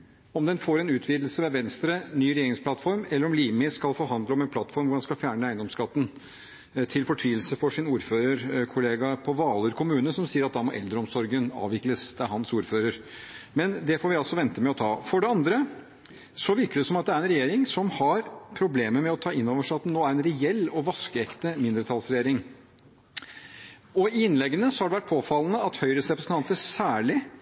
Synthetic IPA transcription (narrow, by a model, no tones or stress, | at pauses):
ɔmd̪ɛnfoːɾɛnʉːt̪ʰʋiːd̪l̩səʋɛʋɛnst̪ɾənyːɾɛjeːɾɪŋspʰlɑt̪ːfɔɾmɛlːəɾɔmliːmɪskɑlfɔɾɦɑnd̪ləɔmɛnpʰlɑt̪ːfɔɾmʋʊɖɑnskɑlfjæːɳəæɪnd̪ɔmskɑt̪ːən̩ | t̪ʰɪlfɔʈʰʋiːəlsəfɔʂɪnuːɾføːɾəɾkʰʊleːɡɑpʰɔʋɑːləɾkʰʊmʉːnəsɔmsiːəɾɑt̪d̪ɑmɔʔɛ̰ld̪ɾəɔmsɔɾɡənɑ̰ːʋɪkləsd̪̥æɦɑnsuːɾføːɾəɾ | mɛnd̪ɛfoːɾʋɪɑlsɔʋɛnt̪əmɛɔt̪ʰɑːfɔɖɛɑnd̪ɾə | sɔʋɪɾkəd̪ɛsɔmɑt̪̚d̪ɛæɾɛnɾɛjeːɾɪŋsɔmhɑɾpʰɾʊbleːməmɛɔt̪ʰɑːɪnːoːʋəʂæɑt̪d̪noːæɾɛnɾɛɛlːɔʋɑskəɛkt̪əmɪnd̪ɾət̪ʰɑlsɾɛjeːɾɪŋ | ɔɪɪnlɛɡːənəsɔhɑɖɛʋæʈ̚pʰoːfɑlːənəɑt̪hœʏɾəsɾɛpɾəsn̩t̪ʰɑnt̪əsæːɭɪ